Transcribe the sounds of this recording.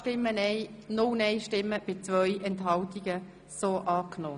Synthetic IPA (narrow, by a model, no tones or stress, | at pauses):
tɪmːənɛɪnʊlnɛɪʃtɪmːəb̥ɪt͡sʋœʏʔɛntɦɑltiɡ̥ə | soːʔɑːknoː